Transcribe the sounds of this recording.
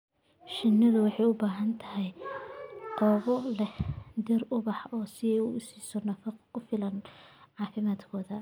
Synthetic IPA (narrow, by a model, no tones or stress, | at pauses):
ʃɪnːɐðʊwɑħɑjʊbaːɦɐnt̪ʰɐɦɛj | qɔːβɔlɛhd̪ɛrʊβɑħɔːsɪɛjʊɪsiːsɔnɐfɑqkʊfɪlɐnʕɑːfɪmaːd̪kʰɔːðɐ